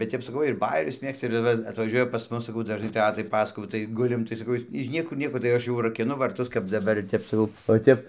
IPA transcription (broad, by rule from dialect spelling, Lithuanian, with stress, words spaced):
bʲɛt ˈtʲɛp sɐˈkɐʊ ɪr ˈbɑːjɛrʲʊs ˈmʲeːkstɐ ɪr ˈʋɐ ɐtʋɐˈʒʲuɔjɛ pɐs ˈmʊs sɐˈkɐʊ dɐʒˈnɐɪ ˈtʲæːtɐɪ ˈpɑːsɐkoːjɛʊ tɐɪ ˈɡʊlʲɪm tɐɪ sɐˈkɐʊ ɪs ɪʃ ˈnʲiɛkʊr ˈnʲiɛkoː tɐɪ ˈɐʃ jɛʊ rɐkʲɪˈnʊ ʋɐrˈtʊs kɐp dɐˈbɐr ˈtʲɛp sɐˈkɐʊ oː ˈtʲɛp